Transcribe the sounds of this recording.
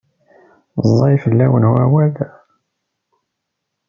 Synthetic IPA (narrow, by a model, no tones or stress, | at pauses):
zˤːɑjfəlːæwənhuæwæð